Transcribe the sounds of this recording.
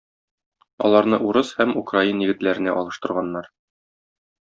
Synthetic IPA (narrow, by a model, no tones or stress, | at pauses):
ɒ̰lˠɑɾnɤʔuɾɤshæmukrainjɘ̆ɡɘ̆t̪læɾɘ̆næʔɒlˠɤ̆ʃt̪ɤ̆ɾʁɑnːɑɾ